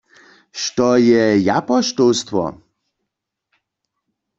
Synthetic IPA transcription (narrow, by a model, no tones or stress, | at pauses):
ʃt̪ɔjɛja̰pɔʃtowst̪vɔ̰